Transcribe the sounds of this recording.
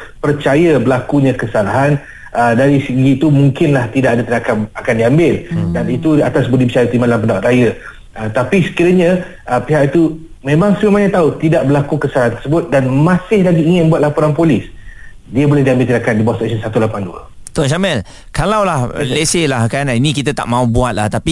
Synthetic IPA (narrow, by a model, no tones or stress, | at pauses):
pərt͡ʃajabəlakuɲãkəsalaɦan | ədaɾisəɡiːt̪umũŋkɪnlaht̪idaʔadat̪inakamakandiambɪldanit̪uat̪asbudibət͡ʃajat̪imanlampəndawaʔ̪ɾaja | ət̪apisə̥kiɾaɲã | ʔəpiɦakit̪u | mẽmaŋsəməmaɲat̪aut̪idaʔ̚bəlakukəsalaɦant̪ərsəbʊt̪̚danmãsɪhlaɡiːŋɪnməbuat̪lapoɾanpolɪs | diəbolɛhdiambɪlt̪inakandibawaʔsɛksənsat̪ulapanduə̰ | t̪unʃamɛl | kalawlahleselahkaninĩkit̪at̪a̰ʔmãubuat̪̚la̰ht̪api